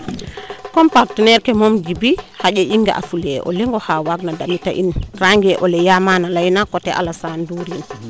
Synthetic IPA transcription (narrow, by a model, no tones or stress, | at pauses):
kɔmpaɾtinɛɾkɛmɔmd͡ʒibihaʄɛʔiŋɡa̰ʔa̰fulɛʔɔ̰lɛŋɡɔhawaɡnadamita̰ʔinraŋɡɛʔɔlɛjamanalajnakɔtɛʔa̰lasanduɾin